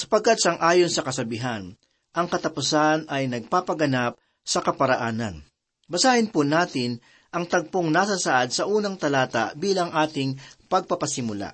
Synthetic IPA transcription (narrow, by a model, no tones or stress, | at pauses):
sɐ̥pɐɡ̚kat̪̚sɐŋʔaːjonsɐkɐsɐbiɦan | ʔɐŋkɐt̪ɐpʊsanɐjnɐɡ̚paːpɐɡɐnap̚ | sɐkɐpɐɾɐʔaːnɐ̰n | bɐsaːʔhɪnpʊnaːt̪ɪn | ʔɐŋt̪ɐɡ̚poŋnasasaʔad̪sɐʔuːnɐŋt̪ɐlaːt̪a̰biːlɐŋʔaːt̪ɪŋpɐɡ̚pɐpɐsɪmʊla̰ʔ